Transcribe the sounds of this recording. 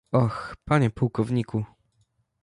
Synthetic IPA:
ɔxpaɲɛpuwkɔvɲiku

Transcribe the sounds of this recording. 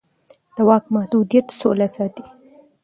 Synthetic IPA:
d̪̥əwɑk̚mahd̪ud̪ijat̪solasɑːt̪i

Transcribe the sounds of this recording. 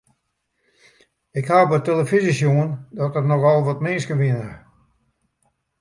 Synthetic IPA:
ɪkhapəteləfizisjoəndɔtətnɔxɔlˠʋɔtmɪːskəʋɪənə

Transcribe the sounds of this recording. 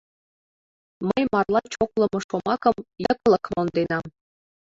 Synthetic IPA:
məjmɑrlˠɑt͡ɕoklˠɤ̆mɤ̆ʃomɑkɤ̆mjɤ̆k̆lˠɤ̆kmond̪enɑm

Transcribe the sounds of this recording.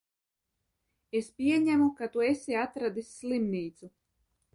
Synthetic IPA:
espʲiɛɲæmukat̪uesʲiat̪ɾad̪isʲːlˠimniːt̪su

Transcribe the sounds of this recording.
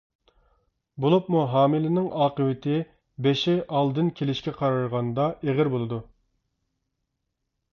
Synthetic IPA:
bolˠupmuɦɑːmɪlɪnɪŋɑːqəwɪt̪ʰɪ | beʃɪʔɑlˠd̪ɨnkʲʰelɪʃkʲɛqʰɑɾɑɾʁɑnd̪ɑʔeʁɪɾbolˠɨd̪u

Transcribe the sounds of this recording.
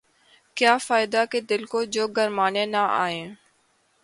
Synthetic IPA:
kjaːfaːɪd̪aːkeːd̪ɪlkoːd͡ʒoːɡʱəɾmaːneːnaːʔa̰ːẽː

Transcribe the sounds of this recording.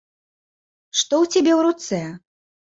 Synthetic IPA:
ʂt̪ɔwt͡sʲabʲewɾut̪sɛ

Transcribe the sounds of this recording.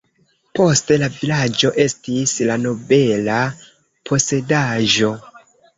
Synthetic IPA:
po̞ste̞lavilad͡ʒo̞ʔe̞stislano̞be̞la | pʰo̞se̞daʒo̞

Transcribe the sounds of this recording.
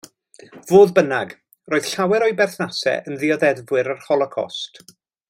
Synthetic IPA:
voːðbənaɡ | roːɨð̥ɬawɛɾɔɨbɛrθnasɛ̰ʔənðɪɔðɛdvwɪɾərhɔlˠɔkʰɔ̰st

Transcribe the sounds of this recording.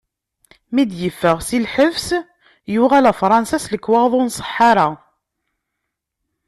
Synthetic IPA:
mid̪jəfːəʁsilħəvs | jʊʁælæfɾˤɑnsæsləkːwɑʁðˤʊnsˤə̥ħːɑɾa

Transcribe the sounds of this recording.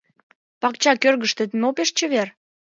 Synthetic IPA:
pɑkt͡ɕɑkørɣəʃt̪et̪mopeʃt͡ɕəβer

